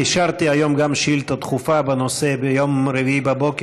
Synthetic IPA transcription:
iʃaʁt̪iajo̞mɡamʃilt̪at̪χufabanosebejomɾeviibabo̞ke

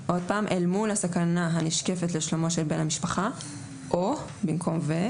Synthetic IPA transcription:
ʔo̞d̪̚paːmʔelmulhasakanaɦaniʃke̞fet̪leʃlomoʃelbe̞ːnhamiʃpaχa | ʔo | bimkʰo̞mve

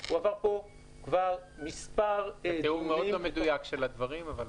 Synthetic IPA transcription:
uavaʁpo̞ | kvaʁmispaʁeumeomomed̪ujakʃelad̪vaʁimaval

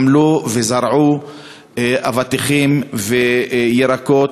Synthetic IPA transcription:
mluvezaɾʕu | avat̪iχimvejeɾakot

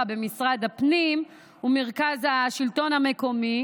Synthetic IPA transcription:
abe̞misʁad̪apnim | umeʁkazaʃilt̪o̞name̞ko̞mi

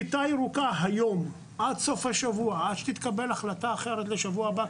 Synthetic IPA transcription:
t̪ajʁukaɦajo̞m | ʔadso̞fhaʃavuaad̪ʃe̥t̪it̪kabelaχlat̪aːχe̞ɾet̪le̞ʃavuaba

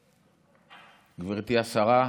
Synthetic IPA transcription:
ɡviʁt̪iasaʁa

